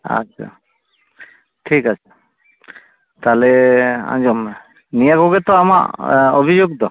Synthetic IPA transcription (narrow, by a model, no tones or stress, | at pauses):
a̰a̰ | ʈʰikat͡ʃʰḁ | t̪alɛã̰nd͡ʒɔm | nijakɔɡɛt̪ɔama̰ʔobʱid͡ʒoɡ̚t̪ɔ